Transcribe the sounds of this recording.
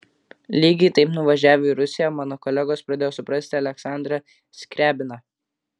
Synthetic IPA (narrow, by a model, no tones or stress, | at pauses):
lʲiːɡʲɛɪt̪ɐɪpnʊʋɐʒʲæːʋʲoiɾʊsʲɪjɛmɑːnoːkɔlʲɛɡoːspɾɐd̪ʲeːjoːsʊpɾɐsʲt̪ʲɪɐlʲɛksɑˑnd̪ɾɐ | sʲkʲɾʲæːbʲɪnɐ